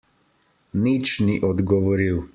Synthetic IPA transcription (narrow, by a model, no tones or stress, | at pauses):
nit͡ʃniʔɔd̪ɡɔʋɔɾiw